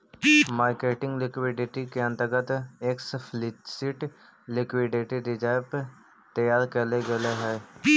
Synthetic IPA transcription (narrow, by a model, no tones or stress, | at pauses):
maːɾkeːʈɪ̃ŋɡlɪkwɪɖɪʈikeə̃nt̪əɾɡət̪eːkspʰlɪsiʈ | lɪkwɪɖeʈeɖɪd͡ʒaːjpə | t̪əjaːɾkɐleɡɐleɦɛː